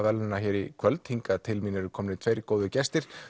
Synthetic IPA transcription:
vɛlɪnaçɛːɾikʰvœlt̪hiŋkat̪ʰɪlmiːnɪɾʏkʰɔmnɪt̪ʰvejɾkoːwðʏcɛst̪ɪɾ̥

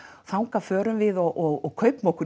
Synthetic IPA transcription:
θawŋkafœːɾʏmvɪðɔɣʔɔɣɔɣkʰœɥpmowkʏ

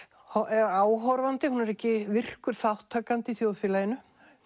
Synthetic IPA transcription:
hɔʔɛɾaːwɦɔɾvant̪ɪhunɛɾɛhcɪvɪr̥kʏɾ̥θawht̪ʰːaːkant̪ɪiθjowðfɪlajɪnʏ

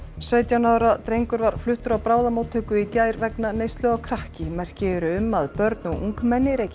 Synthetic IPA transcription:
sœɥt̪janaːwɾat̪ɾejŋkʏɾvaɾ̥flʏht̪ʏɾawpɾaːwðamoːwt̪ʰœːkʏicaːjɾvɛknanejst̪lœɣɔkʰɾahcɪmɛr̥cɪɾʏʏmːaðpœɾt̪nɔʔuŋkmɛnːɪɾejcɪ

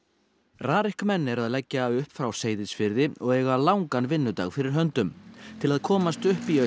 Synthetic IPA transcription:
raːɾɪhkmɛnːɛɾaðlɛcːaʏhpfɾawseːjðɪðsfɪɾðɪɔɣɛɣalawŋkanvɪnːʏt̪a̰ɣfɪɾɪɾ̥ɦœnt̪ʏmt̪ʰɪlaðkʰɔːmast̪ʏhpiœ

